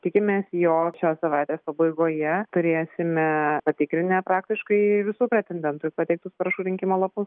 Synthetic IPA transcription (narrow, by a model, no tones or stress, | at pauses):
t̪ʲɪkʲɪmʲeːsjoːkʃʲoːsɐʋɑɪt̪ʲeːspɐbɐɪɡoːjɛt̪ʊɾʲeːsʲɪmʲɛpɐt̪ʲɪkɾʲɪnʲɛpɾɑːk̚t̪ʲɪʃkɐɪɪʋʲɪsuːpʲɾʲɛt̪ʲɛnʲd̪ʲɛnt̪ʊpɐt̪ʲɛɪk̚t̪ʊspɐɾɐʃuːɾʲɪŋʲkʲɪmoːlˠɐpʊs